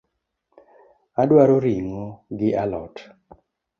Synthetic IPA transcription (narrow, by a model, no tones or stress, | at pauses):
adwaɾoɾiŋoɡɪʔalɔ̰t